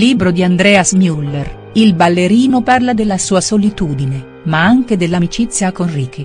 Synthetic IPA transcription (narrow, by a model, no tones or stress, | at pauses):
liːbɾod̪iand̪ɾɛːasmjulːer | ilbalːeɾiːnoparlad̪elːasuːasolit̪uːd̪ine | maaŋked̪elːamit͡ʃit̪sːjakonriːki